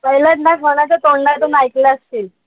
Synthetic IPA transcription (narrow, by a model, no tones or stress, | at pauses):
məjlət̪nakʰəʋɳ̃at͡ɕat̪oɳɖat̪uːnajkleəst̪iːl